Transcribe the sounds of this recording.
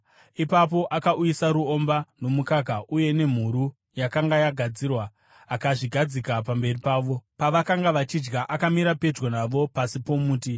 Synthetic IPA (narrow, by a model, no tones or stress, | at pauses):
ipap̬o̞ʔakaʔujisaɾuo̞mbano̞mukaɡʱaʔuje̞ne̞m̤uɾu | jakaŋɡajaɡʱad͡ziːrwa | akaʐiɡʱad͡zikapambe̞ripaːʋo̞paʋakaŋɡaʋat͡ʃid͡ʒɡaʔakamiɾape̞d͡ʒɡonaʋo̞pasipo̞muːti